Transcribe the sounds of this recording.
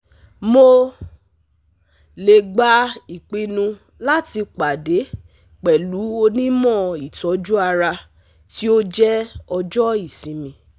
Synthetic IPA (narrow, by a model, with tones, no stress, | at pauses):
mo˧ | le˨ɡ͡ba˨˦i˨k͡pi˧nũ˧ | la˦ti˧k͡pa˨de˨˦ | k͡pɛ˨lu˨˦o˧nĩ˦mɔ̃˦˨i˨tɔ˨˦d͡ʒu˦a˧ɾa˧ | ti˦o˦d͡ʒɛ˦ɔ˧d͡ʒɔ˦i˦˨sĩ˨mĩ˧˦